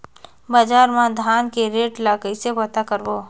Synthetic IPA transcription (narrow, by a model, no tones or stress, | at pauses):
bad͡ʒaːɾmãd̪ʱaːnkeɾeːʈlaːkəisepɐt̪akəɾboː